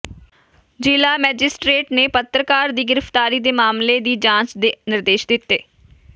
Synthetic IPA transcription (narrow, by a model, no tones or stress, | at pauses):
d͡ʒiːlaːmɛːd͡ʒɪsʈɾeːʈneːpət̪ɾəkaːɾd̪iːɡɪɾəft̪aːɾiːd̪eːmaːmleːd̪iːd͡ʒãːt͡ʃd̪enɪɾd̪eːʃd̪ɪt̪ːeː